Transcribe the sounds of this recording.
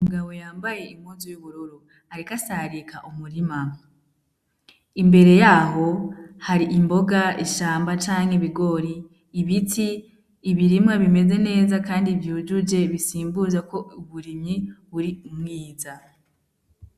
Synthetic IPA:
muɡaβo̞jaːmbaje̞imuzujuβuɾoɾo | aɾikasaːɾikʰa̰ʔumuɾima | imbe̞ɾe̞jaːɦo̞haɾiʔimbo̞ɡaiʃaːmbat͡ʃaːŋeβiɡo̞ɾiː | βitiː | βiɾimŋaβime̞ze̞ne̞ːzakaːndivjud͡ʒud͡ʒe̞βisiːmbuzako̞uβuɾimɲiβuɾiumŋiːza

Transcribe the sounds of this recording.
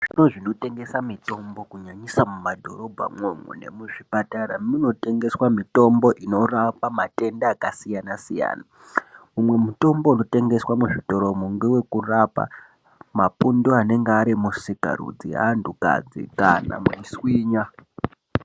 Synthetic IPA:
ʐ̥ino̞ʐino̞te̞ŋɡe̞samito̞mbo̞kuɲaɲisamumadʱo̞ɾo̞bʱa̰mwemṵne̞̰muʐipataɾamino̞te̞ŋɡe̞swamito̞mbo̞ʔino̞rapamate̞ndaːkasijanasija̰ːna | mumwe̞muto̞mbo̞uno̞te̞ŋɡe̞swamuʐito̞ɾo̞muŋɡewe̞kurapa̰ | mapundoane̞ŋɡeaɾimusika̰ɾṵd͡zia̰nduka̰d͡zḭkana̰miswiːɲa

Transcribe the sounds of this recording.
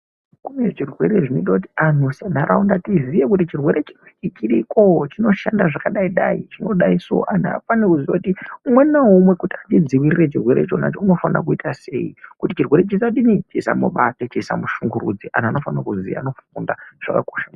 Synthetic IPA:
kunet͡ʃirwe̞ɾeʐino̞itakuti̥an̤usan̤aɾʔaundatizijekutit͡ʃirwe̞ɾe̞t͡ʃinwet͡ʃit͡ʃiriko̞t͡ʃino̞ʃandaʐakaɗaiɗait͡ʃinoɗaiso̞̰ʔana̰panekuziakutiumwe̞naɦumwe̞kutiatid͡ziʋiriret͡ʃirwe̞ɾe̞̰t͡ʃo̞na̰t͡ʃouno̞fana̰k̬uitase̞̰ikutit͡ʃirwe̞ɾet͡ʃisiautinit͡ʃiisa̰muɓatet͡ʃiːsa̰muʃuŋɡuɾṵd͡ziʔa̰n̤ano̞fanakuzḭa̰no̞fundaʐ̥a̰ka̰koʃa

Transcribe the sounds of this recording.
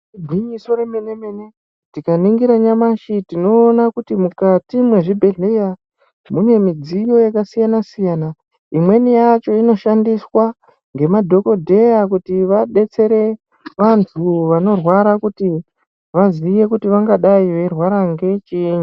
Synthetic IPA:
bʱiɲiso̞remene̞me̞ne̞ | tikaniŋɡiɾaɲamaʃitino̞ːnakutimukatimwe̞ʐibʱe̞ɮeja | mune̞mid͡zijo̞jakasijanasijana | imwe̞nijat͡ʃo̞ino̞ʃandiswa | ŋɡe̞madʱo̞ko̞dʱe̞jakutiʋaɗe̞t͡se̞ɾe̞ | ʋantʰuʋano̞rwaɾakuti | ʋazije̞kutiʋaŋɡaɗaiʋe̞rwaɾaŋɡe̞t͡ʃiɲu

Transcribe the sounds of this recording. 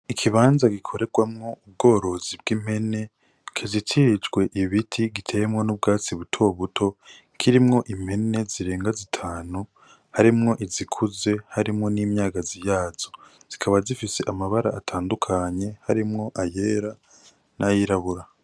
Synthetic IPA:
ikʰiβaːnzaɡikʰo̞ɾe̞ɡwamŋo̞ub̚ɡo̞ːɾo̞zibɡim̥he̞ne̞ | kʰezitʰid͡ʒɡwe̞ʔiβitʰiɡitʰe̞jemŋo̞nub̚ɡaːt͡siβutʰo̞βutʰo̞ | kʰiɾimŋo̞ʔim̥he̞ne̞ziɾe̞ːŋɡazitʰaːnu | haɾimŋo̞ʔizikʰuze̞haɾimŋo̞niːmɲaːɡazijaːz̥o̞ | z̥ikʰaβazifise̞ʔamaβaɾaːtʰaːndukʰaɲe̞haɾimŋo̞ʔaje̞ːɾa | nʔajiɾaβuɾa

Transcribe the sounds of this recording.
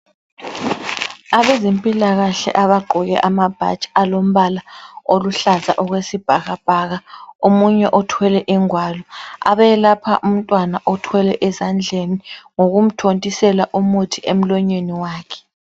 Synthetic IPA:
aβezempʼilaɣaɬɛ̰ʔaβaɡ͡ǃʱuɣɛ̰ʔamab̥ʱa̰̥t͡ʃʼalom̩βalaoluɬaza̰ʔɔɣwesib̥ʱaɣab̥ʱaːɣaomuɲɛʔɔtʰwɛlɛʔiŋwalɔa̰βɛlapʰaʔum̩tʼwanaʔɔtʰwɛlɛʔɛzand͡ɮʱeniŋoɣum̩tʰontʼisɛlaʔumutʰiʔem̩lɔɲeniwaːkʰɛ̥

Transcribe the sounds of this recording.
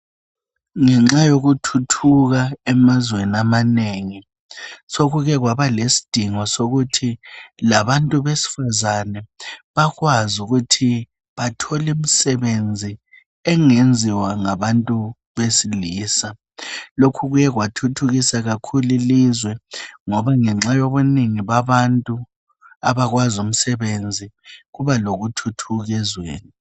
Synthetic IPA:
ŋɛŋ͡ǁajoɣutʰutʰuɣaɛmazweniamaneŋi | soɣuɣɛɣwaβalesi̥d̥ʱiŋɔsoɣutʰilaβantʼuβesi̥fazanɛβaɣwazuɣutʰi | βatʰɔlim̩sɛβend͡zʱi | ɛŋend͡zʱiwaŋaβantʼu | βesiliːsa | lokʰuɣujɛɣwatʰutʰuɣisaɣakʰulilizwɛŋɔβaŋɛŋ͡ǁajɔβuniŋiβaβantʼu | aβaɣwazum̩sɛβend͡zʱiɣuβaloɣutʰutʰuɣɛzwḛːni

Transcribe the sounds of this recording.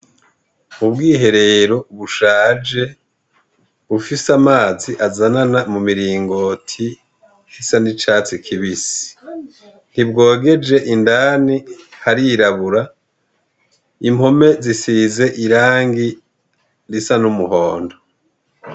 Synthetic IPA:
ubɡiːɦe̞ɾe̞ɾo̞uβuʃaːd͡ʒe̞ | βufisamaːziʔazananamumiɾiːŋɡo̞tʰi | hisanit͡ʃaːt͡sikʰiβisi̥ | n̥ibɡo̞ːɡe̞d͡ʒe̞ʔindanihaɾiɾaβuɾa | im̥ho̞me̞zisiːze̞ʔiɾaːŋɡi | ɾisanumuho̞ːndo

